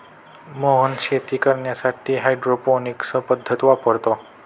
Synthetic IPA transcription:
moɦənʃet̪ikəɾɳjasaʈ̪ʰiɦajɖɾoponiksəpəd̪ʱːət̪ʋapəɾt̪o

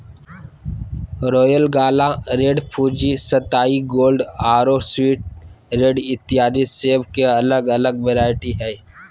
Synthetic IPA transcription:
ɾoːjəlɡaːlaɾeːɖpʰuːd͡ʒisət̪aːiɡoːlɖaːɾoswiːʈ̚ | ɾeːɖɪt̪ɪɦaːd̪iseːbkeɐləɡələɡʋeːɾaːɪʈiɦɛ

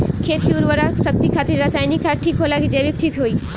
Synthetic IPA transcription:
kʰeːt̪iuɾʋəɾaksɐk̚t̪ikʰaːt̪ɪɾːasaːjnikʰːaːʈʰiːkɦolaːɡid͡ʒeːbik̚ʈʰiːkɦoiː

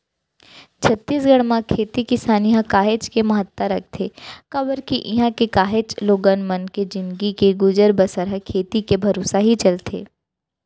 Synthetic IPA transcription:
t͡ʃʰɐt̪ːiːs̬ɡəɽ̃mãkʰeːt̪ikisaːniɦãkaːɦet͡ʃkemɐɦət̪ːəɾɐk̚ʰt̪ʰeːkɐbəɾkiʔɪɦãkekaːɦeːt͡ʃloːɡənmɐnked͡ʒɪ̃nd̪ɡikeɡʊd͡ʒəɾbəsəɾɦəkʰeːt̪ikebʱɐɾoːsaɦit͡ʃɐlt̪ʰḛː

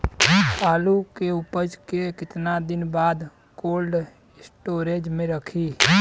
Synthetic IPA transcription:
paːlukeʊpəd͡ʒkekɪt̪nad̪ɪnbaːd̪ | koːlɖ | sʈoːɾeːd͡ʒmẽɾəkʰiː

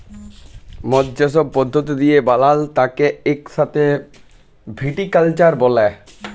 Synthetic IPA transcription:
mɔd̪d͡ʑaʃ̬ob̚pɔd̪ʱːot̪̬id̪ijebalalt̪akeekʃat̪e | bʱiʈikalt͡ɕaɾbɔle

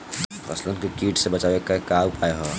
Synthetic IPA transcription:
ɾɐ̰slənkekiːʈsebɐt͡ʃaːʋekakaːpʰaːeɦoː

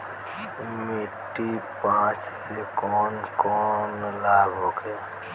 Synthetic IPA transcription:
miʈːipãt͡ʃsekɔːnkɔːnlaːbɦoke

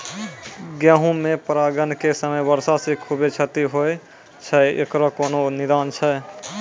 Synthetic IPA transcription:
ɡjaːɦũmẽpɾaːɡənkesəməjbəɾsasikʰubet͡ʃʰət̪iɦoe | t͡ʃʰəḛkɾokoːnonɪd̪aːnt͡ʃʰə

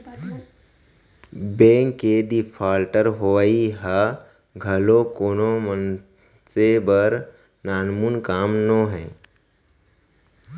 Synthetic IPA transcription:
bɛ̃ːŋkːeɖipʰaːlʈəɾɦoʋaiɦa | ɡʱəlokoːnomən | sebəɾ | naːnmunkaːmnoɦɛ̃ː

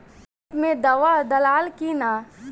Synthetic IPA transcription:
mẽd̪ɐʋad̪ɐlaːlkina

